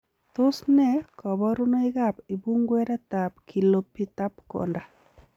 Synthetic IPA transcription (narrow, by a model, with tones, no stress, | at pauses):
t̪ʊ˦snɛ˦kɔ˨bɔ˦ɾu˦no˦ɪ˦ɡa˦pɪ˨bu˦ŋɡwɛ˦ɾa˦t̪a˨pkʰi˨lo˨pi˦t̪a˦pkɔ̰˨nda˨